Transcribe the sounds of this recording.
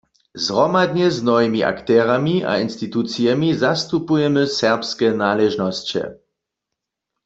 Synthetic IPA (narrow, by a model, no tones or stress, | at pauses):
zʁɔmad̪ɲɛznɔvimiʔa̰kt̪ɛːʁamia̰inst̪it̪ut̪t͡sijɛmizast̪upujɛmɨsɛʁpskɛnaːlɛʒnɔst͡ɕɛ̰